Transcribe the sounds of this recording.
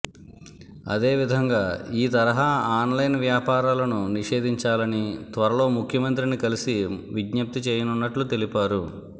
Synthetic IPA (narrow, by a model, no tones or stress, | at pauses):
ɐ̰d̪e̞ːʋid̪ʱɐŋɡaːiːt̪ɐɾɐɦaːaːnlɐjnʋjaːpaːɾaːlɐnuniʂe̞ːd̪ʱiɲt͡ʃaːlɐnit̪ʋɐɾɐlo̞ːmukʰjɐmɐnt̪̬ɾinikɐlisiʋiɡɲɐp̚t̪it͡ʃeːjɐnunːɐʈlut̪e̞lipaːɾu